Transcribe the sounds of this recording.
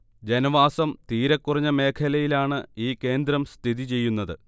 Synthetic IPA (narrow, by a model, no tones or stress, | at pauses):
d͡ʑenɐʋaːsɐmt̪iːɾɐkːurɐɲːɐme̞ːkʰɐlɐjilaːɳɨiːkːe̞ːnd̪ɾɐmst̪ʰiðit͡ɕe̞jːunːɐðɨ